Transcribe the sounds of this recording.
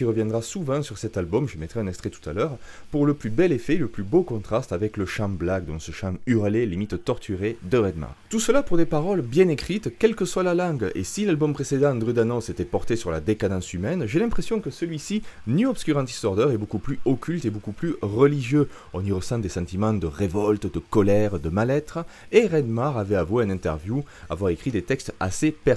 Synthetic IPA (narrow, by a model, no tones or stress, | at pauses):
iʁəvjɛ̃nd̪ʁasuvɑ̃syʁsɛt̪albɔmʒəmɛt̪χɛɛ̃nɛkst̪χɛt̪u̥t̪alœʁpuʁləplybɛlefɛləplybokɔ̃t̪χast̪avɛkləʃɑ̃blak̚d̪ɔ̃səʃɑ̃yʁlelimit̪t̪ɔʁt̪ʰyʁed̪əʁɛd̪ma̰t̪usəlapuʁd̪epaʁɔlbjɛ̃nekχit̪kʲɛlkəswalalɑ̃ɡḛsilalbɔmpχesed̪ɑ̃d̪ʁyd̪anɔ̃set̪ɛpɔʁt̪esyʁla̰d̪ekad̪ɑ̃symɛnʒelɛ̃pχesjɔ̃kəsəlɥisinyɔbskʲyʁɑ̃t̪i̥st̪ɔʁd̪œʁɛbokuplyɔkʰʲylt̪ebokuplyʁəliʒjø | ɔ̃niʁəsɑ̃d̪esɑ̃t̪imɑ̃d̪əʁevɔlt̪d̪əkɔlɛʁd̪əmalɛt̪χə | eʁɛd̪maʁavɛavweɛnɛ̃nt̪ɛ̰ʁvjua̰vwaʁekχid̪et̪ɛkst̪a̰sepɛʁ